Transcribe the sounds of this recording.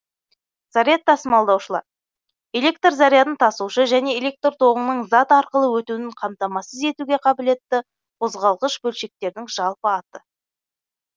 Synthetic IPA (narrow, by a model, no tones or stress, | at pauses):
zɑɾijat̪ːɑsəmɑlˠd̪ɑwʃəlˠɑ̰ɾ | e̞lʲe̞k̚t̪rzɑɾijad̪ənt̪ʰɑsuʃəʒæne̞elʲe̞k̚t̪rt̪ʰo̞ʁəɴnəɴzɑt̪ɑɾqəlˠəwɵt̪unɪɴqʰɑmt̪ɑmɑsəze̞t̪uɡʲe̞qʰɑbɪle̞t̪ːɪ | qʰo̞zʁɑlˠʁəʃbɵlʃe̞k̚t̪e̞ɾd̪ɪŋʒɑlˠpəɑt̪ə